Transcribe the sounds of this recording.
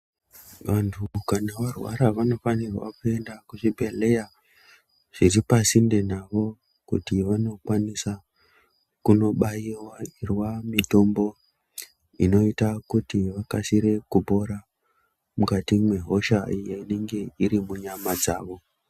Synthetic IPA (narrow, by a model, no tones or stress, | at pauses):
ʋantʰukanaʋarwa̰ɾaʋano̞fanirwa̰kue̞ndakuʐibʱe̞le̞ja | ʐ̥iripasinde̞naʋo̞ | kṵtiʋano̞kwanisa | kuno̞ɓaiwairwamito̞mbo̞ | ino̞itakutiʋakasiɾe̞kubʱo̞ɾa | mukatimwe̞ɦo̞ʃaijoine̞ŋɡe̞iɾimuɲamad͡za̰ːʋo̞